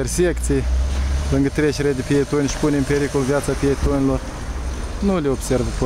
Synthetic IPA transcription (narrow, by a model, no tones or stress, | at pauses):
ersekt̪sʲijlɨŋɡət̪ɾʲeʃʲɾed̪ʲpʲijet̪onʲʃi̥punʲempʲeɾikolvjat̪sapʲijet̪onʲilor | nulʲeobseɾvpo